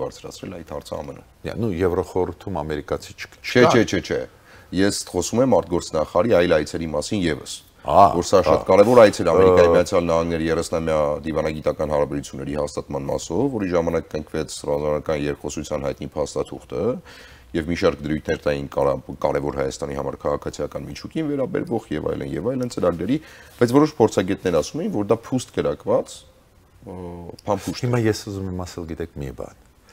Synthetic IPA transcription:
bɑɾt͡sʰɾɑ̰t͡sʰɾɛ̰lɑjt̪hɑɾt͡sʰəɑ̰mənṵ | nujɛvɾaχɔɾuɾt̪ʰumɑmɛɾikɑt͡sʰi̥t͡ʃʰt͡ʃʰɛt͡ʃʰɛt͡ʃʰɛt͡ʃʰɛ | jɛsχɔsumɛmɑɾt̪̚ɡɔɾt͡sʰnɑχɑɾɑɾiɑjlɑjt͡sʰɛɾimɑsinjɛvə̰s | vɔɾsɑʃɑt̪kɑɾɛvɔɾɑjt͡sʰɛɾɑmɛɾikkɑjimijɑt͡sʰjɑlnɑhɑŋɡnɛɾəjɛrɛsnɑmjɑd̪ivɑnɑɡit̪ɑkɑnɦɑɾɑbɛɾut͡sʰjunːɛɾihɑst̪ɑt̪mɑnmɑ̰sɔvːɔɾiʒɑmɑnɑkːəŋkʰvɛt͡sʰrɑzɑnɑkɑnjɛɾkχɔsut͡sʰjɑnhɑjt̪̚nipʰɑst̪ɑt̪ʰuχt̪ə | jɛvmiʃɑɾkd̪əɾujt̪ʰnɛɾt̪ɑjinkɑɾɛvɔɾhɑjɑ̰st̪ɑnihɑ̰mɑɾkʰɑʁɑkʰɑt͡sʰijɑkɑnmit͡ʃʰukinvɛɾɑbɛ̰ɾvɔʁjɛvɑ̰jlə̰njɛvɑjlənt͡səɾɑɡɾɛɾib̥ɑjt͡sʰvɔɾɔʃpʰɔɾt͡sʰɑɡɛt̪̚nɛɾɑsumɛjinvɔɾd̪ɑpʰust̪kəɾɑkvɑt͡s | pʰɑnpʰuʃt̪himɑjɛsuzumɛmɑsɛlɡit̪ɛkʰmibɑ̰n

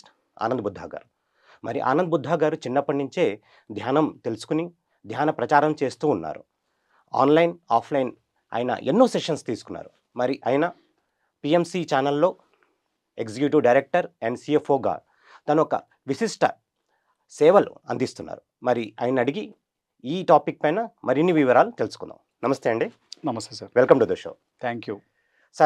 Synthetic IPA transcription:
a̰ːnɐnd̪ɐbud̪ʱːa̰ːɡa̰ːɾu | mɐɾiʔa̰ːnɐnd̪bud̪ʱːaːɡaːɾut͡ʃinːɐpːɐɳːiɲt͡ʃe̞ː | d̪ʱjaːnɐmt̪e̞lusu̥kuni | d̪ʱjaːnɐpɾɐt͡ʃaːɾɐmt͡ʃe̞ːst̪uːnːa̰ːɾṵ | a̰ːnlɐjnaːpʰlɐjin | a̰ːjɐnɐ̰ʔenːoːseʂɐnst̪iːsu̥kunːa̰ːɾu | mɐɾiʔaːjɐnɐ | piemsit͡ʃaːnɐlːo̞ː | eksikjuʈiʋɖɐjɾek̚ʈɐɾɛɳɖsiefʰoːɡa̰ː | t̪ɐnuɔkɐ̰ | ʋisisʈɐ̰ | sɛːʋɐl̰ɐ̰nd̪ist̪unːa̰ːɾu | mɐɾiaːjinɐɽiɡi | iːʈaːpik̚pɐjnɐmɐɾinːiʋiʋɐɾaːlut̪e̞lusu̥kund̪a̰ːm | nɐmɐst̪eɐɳɖi | nɐmɐst̪esaːɾʋelkɐmʈud̪ɐʂo̰ː | t̪ʰɛːŋkjuː | sɐ

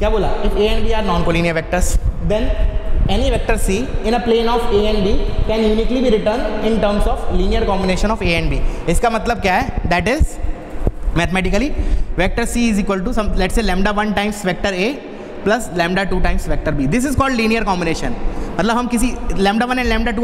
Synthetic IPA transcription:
kjaːboːlaɪfeːɛ̃ɳɖbiːaːɾnɔ̃ːnkoliːniəɾʋɛk̚ʈəɾsd̪ɛ̃nɛniʋɛk̚ʈəɾsiːɪ̃nəplẽːnɔːfeːɛ̃ɳɖbiːkɛ̃ːnjuːniːklibiːɾɪʈəɾɳɖɪ̃ɳʈəɾmsɔːfliːnijəɾkɔ̃ːmbɪneːʃə̃nɔːfeːɛ̃ɳɖbiːɪskamɐt̪ləb̚kjaɦɛd̪æʈɪz | mɛt̪mæːʈɪkəliʋɛk̚ʈəɾsiːɪziːkʋəlʈusɐ̃mlɛʈseːlɛ̃ːmɖaʋɐ̃nʈãɪ̃msʋɛk̚ʈəɾeː | plɐslɛ̃ːmɖaʈuːʈãɪ̃msʋɛk̚ʈəɾbiːd̪ɪs̬ɪzkɔːlɖliːnijəɾkɔ̃ːmbɪneːʃə̰̃nmɐt̪ləbɦɐ̃mkɪsilɛ̃mɖaʋɐ̃nɛ̃ɳɖlɛ̃mɖaʈuː

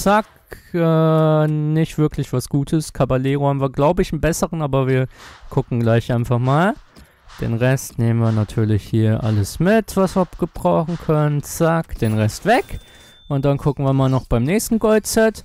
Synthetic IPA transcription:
t͡sak | ʔɛ | nɪçtv̥ɪɐklɪçv̥asɡ̥uːtʰəskʰabaleːʁohaːm̩viːɐɡlaʊbəɪçn̩bɛsəʁənʔaːbɐviːɐkʰʊkŋ̩ɡlaɪçʔaɪnfaχmaːl | d̥ḛːnʁɛstneːmənviːɐnatʰyːɐlɪçhiːɐʔa̰ləsmɪtv̥asv̥iːɡ̥əb̥ʁaʊχn̩kʰœnənt͡sakd̥eːnʁɛstv̥ɛk | ʔʊntd̥ankʰʊkŋ̩viɐmaːlnɔχb̥aɪmnɛːçstn̩ɡɔlt̚t͡sɛt

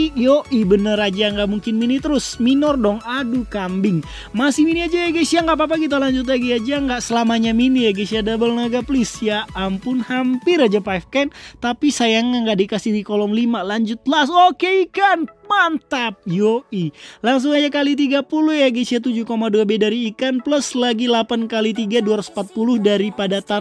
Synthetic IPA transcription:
joʔibənəɾad͡ʒaŋɡaʔmuŋkɪnminit̪əɾʊsminɔrdɔŋadukambɪŋ | masɪhminiad͡ʒajaɡesiaŋɡap̬ap̬akit̪̬alaɲd͡ʒʊt̪̬laɡiad͡ʒaŋɡaʔsəlamaɲaminijaɡisiadabəlnaɡaplɪsjaːmpʊnhampɪɾad͡ʒapaɛfkant̪apisajaŋaŋɡaʔdikasɪhdikolɔŋlimalaɲd͡ʒʊt̪̚lasokeikanmant̪ap̚joʔilaŋs̬ʊŋad͡ʒakalit̪̬iɡapulʊhjaɡesiat̪ud͡ʒʊhkomaduabedaɾiːkanpləslaɡilapankalit̪iɡaduaɾaspat̪̚pulʊhdaɾipadat̪a

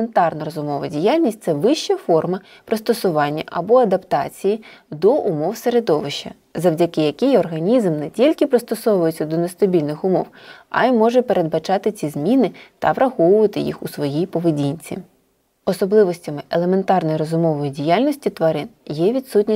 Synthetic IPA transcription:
ent̪ɑrnɐɾɔzʊmɔʋɐdʲijalʲnʲisʲt̚ʲt̪sɛʋɪʃt͡ʃɐfɔrmɐ | pɾɪst̪ɔsʊʋɑnʲːɐ̰ʔɐbɔɐd̪ɐpt̪ɑt͡sʲijid̪ɔʔʊmɔwseɾed̪ɔʋɪʃt͡ʃɐ̰ | zɐwdʲɐkɪjɐkɪjɔrɦɐnʲizmnɛtʲilʲkɪpɾɪst̪ɔsɔwʋʊjet͡sʲːɐd̪ɔnest̪ɐbʲilʲnɪxʊmɔwɐ̰imɔʒɛpeɾʔe̞d̪̚bɐt͡ʃɑt̪ɪt͡sʲizmʲinɪt̪ɐʋɾɐxɔʋʊʋɐt̪ɪjḭxusʋɔjijpɔʋedʲinʲt͡sʲḭ | ɔsɔblˠɪʋɔsʲtʲɐmɪʔelˠeme̞nt̪ɑrnɔjɾɔzʊmɔʋɔjidʲijalʲnʲɔsʲtʲit̪ʋɐɾɪnjɛʋʲit̪sutʲnʲi

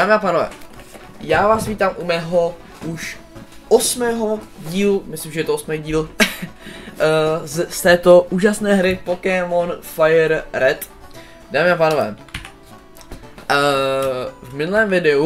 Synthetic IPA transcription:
daːmɪapaːnovɛ̰ː | jaːvaːsviːt̪aːmʔumɛːɦo̞ | uʃ | ʔosmɛːɦoɟiːlumɪslimʒɛjɛt̪oosmɛjɟiːl | st̪ɛːt̪o̞ʔuːʒasnɛːɦɾɪpokɛmonfajɛɾɾɛt̪ | daːmɪapaːnovɛ̰ː | vmɪnulɛːmvɪdɛu

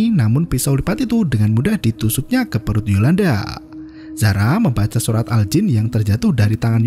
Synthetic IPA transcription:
namʊnpisawlipat̪it̪udəŋanmudahdit̪usuk̚ɲakəpəɾʊt̪̚jolanda̰ | z̥aɾaməmbat͡ʃasuɾat̪ald͡ʒɪnjaŋt̪ərd͡ʒat̪ʊhdaɾit̪aŋan

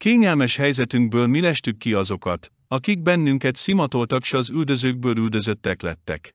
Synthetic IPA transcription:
keːɲɛlmɛʃhɛjzɛt̪yŋɡbøːlmilɛʃt̪ykːiɒzo̞kɒ̰t̪ | ɒkiɡ̚bɛnːyŋkɛt̪simɒt̪o̞lt̪ɒkʃɒzyld̪ø̞zøːɡ̚bøːlyld̪ø̞zø̞t̪ːɛklɛ̰t̪ːɛ̰k

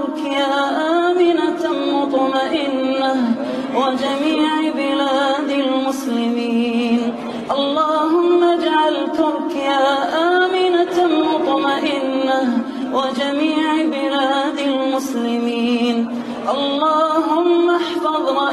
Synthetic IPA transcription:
kɪjaːʔaːmɪnat̪mʊt̪ˤmaʔɪnːa | wad͡ʒamiːʕbɪlaːd̪almʊslɪmiːn | ʔɑlˤːɑːɦʊmːad͡ʒʕalt̪ʊɾkɪjaːʔaːmɪnamʊt̪ˤmaʔɪnːa | wad͡ʒamiːʕbɪlaːd̪almʊslɪmiːn | ʔɑlˤːɑːɦʊmːaħfɑðˤ

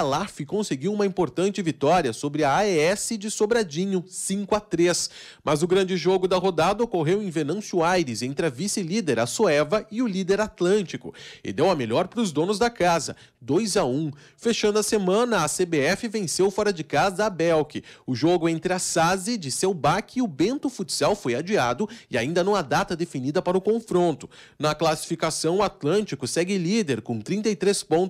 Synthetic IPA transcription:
alafɪkõseɡiwũmɐĩpoɾt̪ɐ̃nt͡ʃɪvit̪ɔɾiɐsobɾɪɐaɛsɪd͡ʒɪsobɾad͡ʒĩɲʊsĩkʊat̪ɾes | mɐzʊɡɾɐ̃nd͡ʒɪʒoɡʊd̪ɐɦod̪ad̪ɐokoɦewẽj̃venɐ̃w̃suajɾɪzẽnt̪ɾɪɐvisɪlid̪eɾɐsuɛvɐɪʊlid̪eɾat̪lɐ̃nt͡ʃikʊ̰ɪ̰d̪ewɐmelʎɔɾpɾʊzd̪õnʊzd̪ɐkazɐ̰d̪ojzɐũ | feʃɐ̃nd̪ʊɐsemɐ̃nɐːsebeɛfɪvẽsewfɔɾɐd͡ʒɪkazɐːbɛwkɪʊʒoɡʊẽnt̪ɾɪasazɪd͡ʒɪsewbakɪʊbẽnt̪ʊfut͡ʃsiawfojad͡ʒiad̪ʊɪaĩnd̪ɐnɐ̃w̃ad̪at̪ɐd̪efinid̪ɐpaɾɐʊkõfɾõnt̪ʊ̥ | nɐklasi̥fikasɐ̃w̃at̪lɐ̃nt͡ʃikʊsɛɡɪlid̪eɾkõt̪ɾĩnt̪ɐjt̪ɾespõnt̪

